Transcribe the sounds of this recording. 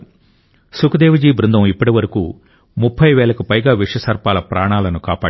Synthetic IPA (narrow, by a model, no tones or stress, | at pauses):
sukud̪eːʋɐd͡ʒiːbɾund̪ɐmipːɐʈiʋɐɾɐkuː | mupʰːɐjʋɛːɭɐkupɐjɡaːʋiʂɐsɐɾpaːlɐpɾaːɳaːlɐnukaːpaː